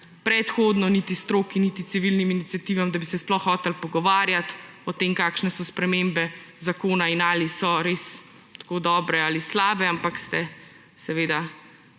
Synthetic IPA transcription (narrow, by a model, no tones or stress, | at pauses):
pɾɛt̪xoːd̪nɔnit̪ist̪ɾoːkinit̪it̪siʋilniminit̪sijat̪iːʋamd̪abisɛsplɔxːɔːt̪ɛlpɔɡɔʋaːɾjat̪ | ɔt̪eːmkakʃnɛsɔspɾɛmembɛzakoːnainaːlisɔɾeːs | t̪koːd̪ɔːbɾɛalislaːbɛampakst̪ɛ | sɛʋeːd̪a